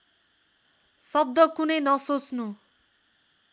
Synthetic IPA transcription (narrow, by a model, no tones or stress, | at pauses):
sʌb̚d̪ʌkunʌjnʌsot͡snu